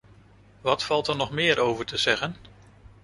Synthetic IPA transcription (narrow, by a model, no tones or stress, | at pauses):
ʋɑtfɑlˠtəɹnɔχmɪːɹʔowvəɹtəz̥ɛχən